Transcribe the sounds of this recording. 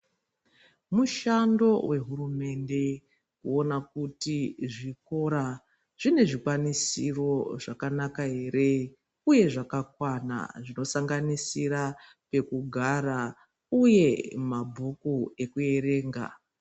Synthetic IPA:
muʃando̞we̞ɦurume̞nde̞ | kuo̞nakutiʐiko̞ɾa | ʐ̥ine̞ʐikwanisḭro̞ʐakanakaɦe̞ɾe̞ | uje̞ʐakakwana̰ʐino̞saŋɡanisiɾa | pe̞kuɡʱaɾa | uje̞mabʱukue̞kue̞ɾe̞ːŋɡa̰

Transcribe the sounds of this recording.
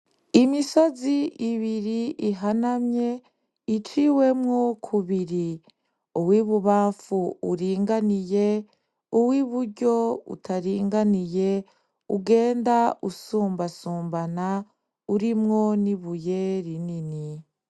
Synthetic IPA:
imiso̞ziʔiβiɾiʔiɦanamɲe̞ | it͡ʃiwe̞mŋokʰuβiɾi | uwiβuβaːɱfuṵɾiːŋɡanije̞ | uwiβuɾɟo̞ṵtʰaɾiːŋɡanije̞ | uɡe̞ːndausuːmbasuːmbana | uɾimŋo̞niβuje̞ɾinini

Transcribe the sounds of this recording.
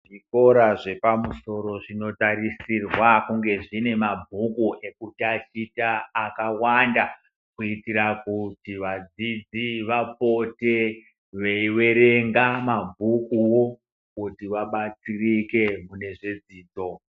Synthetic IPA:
ʐiko̞ɾaʐe̞pamuso̞ɾo̞ʐino̞tarisirwakuŋɡe̞ʐine̞mabʱukuʔe̞kutat͡ʃitaːkawanda | kuitiɾakutiʋad͡zid͡ziʋap̚o̞te̞ | ʋeiwe̞ɾe̞ŋɡamabʱukuwo̞ | kutiwaɓat͡sirike̞mune̞ʐed͡ziːd͡zo̞

